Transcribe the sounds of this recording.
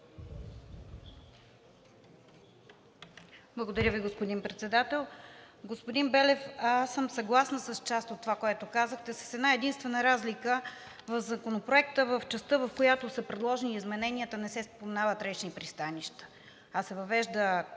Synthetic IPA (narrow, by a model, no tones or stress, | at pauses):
blˠəɡod̪ɐɾʲjəviɡospod̪inpɾɛt̪sɛd̪at̪ɛlˠ | ɡospod̪inbɛlɛfasəmsɐɡlˠasnəsəst͡ʃast̪ot̪ːovakoɛt̪okazəxt̪ɛsə̥sɛd̪naɛd̪inst̪vɛnəɾazlikə | vəvzɐkonopɾoɛkt̪əvəft͡ʃɛst̪ɤvəfkojat̪osəpɾɛd̪lˠɔʒniːzmɛnɛniət̪ənɛsɛspomɛnavət̪ɾɛt͡ʃnipɾist̪aniʃt̪ə̥ | asːɛvɐvɛʒd̪ə